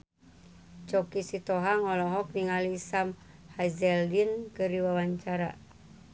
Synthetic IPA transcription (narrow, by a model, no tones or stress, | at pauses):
t͡ʃɔkisit̪ɔɦaŋɔlɔɦɔk̚niŋaliːsam | hazɛldinkɨriwawaɲt͡ʃaɾa̰